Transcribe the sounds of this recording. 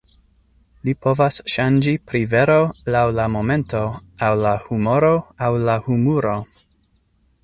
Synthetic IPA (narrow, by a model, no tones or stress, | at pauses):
lipʰo̞vasʃand͡ʒipɾive̞ɾolawlamo̞mẽ̞nto̞awlahumo̞ɾo̞awlahumuɾo̞